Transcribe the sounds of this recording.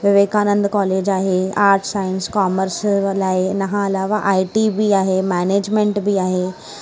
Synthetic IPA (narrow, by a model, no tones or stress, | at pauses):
ʋɪʋeːkaːnə̃nd̪kɔːleːd͡ʒaːɦeaːɾʈsaːɪnskaːməɾslaːɪnɐɦãɐlaːʋaʔaːiʈibʱiaːɦemɛːneːd͡ʒmẽɳʈbʱiaːɦeː